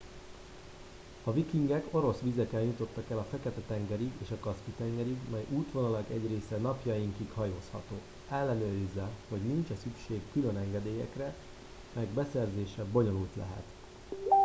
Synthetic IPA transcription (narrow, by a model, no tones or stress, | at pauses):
ɒvikiŋɡɛko̞ɾo̞sʋizɛkɛnjut̪o̞t̪ːɒkɛlɒfɛkɛt̪ɛt̪ɛŋɡɛɾiɡeːʃɒkɒskit̪ɛŋɡɛɾiɡmɛjuːt̪ʋo̞nɒlɒɡɛɟreːsɛnɒpjɒjiŋkikhɒjoːshɒ̰t̪oː | ɛlːɛnøːɾizːɛho̞ɟnint͡ʃɛsykʃeːkːylø̞nɛŋɡɛd̪eːjɛ̰krɛ | mɛɡbɛsɛrzeːʃɛbo̞ɲo̞lult̪lɛ̰ɦɛ̰t̪